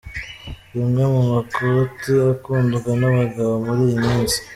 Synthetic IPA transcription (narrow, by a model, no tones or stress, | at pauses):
jumɡamumakʰotiakuːndukanaβaɡaβomuɾijimiːnsi̥